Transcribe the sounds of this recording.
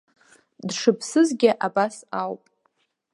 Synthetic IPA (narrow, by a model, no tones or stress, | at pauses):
dʂɨpʰsɨzɡʲɪʔabasawpʼ